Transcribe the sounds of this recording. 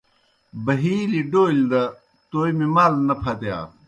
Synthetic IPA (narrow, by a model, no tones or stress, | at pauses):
bɐɦiːliɖoːild̪ɐ | t̪oːjmimaːlnɐpʰɐt̪eja̰ː